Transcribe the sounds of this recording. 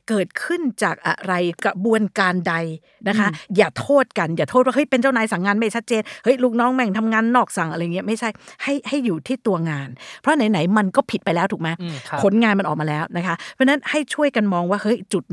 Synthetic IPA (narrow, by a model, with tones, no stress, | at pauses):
kɤː˨˩t̪̚kʰɯ˥˩nt͡ɕaː˨˩k̚ʔa̰˧˩ɾa˧jka˨˩bu˧ənkaː˧nda˧j | na˦˥kʰa˦˥jaː˨˩t̪ʰoː˥˩t̪̚ka˧njaː˨˩t̪ʰo˥˩wa˥˩ɦɤ˦˥˦jpe˧nt͡ɕaː˥˩wnaː˨˧˦jsa˩˦ŋːaː˧nma˥˩jt͡ɕʰa˦˥t̪̚t͡ɕeː˧nhɤ˦˥jluː˦˥k̚nɔː˦˥ŋmɛ˧˨˩ŋt̪ʰa˧mŋaː˧nːɔː˥˩k̚sa˨˩ŋʔɾa˧jŋːi˦˥ɐma˥˩jt͡ɕʰa˥˩jha˥˩jha˥˩jːuː˨˩t̪ʰiː˥˩t̪u˧ɐŋaː˧npʰɾɔ˦˥na˨˩˦jna˩˦jma˧nkɔː˥˩pʰi˨˩t̪̚pa˧jlɛː˦˥t̪ʰuː˨˩k̚maː˦˥kʰo˨˦nŋaː˧nma˧nʔɔː˨˩k̚aː˧lɛː˦˥wna˦˥kʰa˦˥ʔpʰɾɔ˧˥na˦˥nha˥˩jt͡ɕʰu˥˩əjka˧nmɔː˧ŋwaː˥˩hɤ˦˥˩jt͡ɕu˨˩t̪̚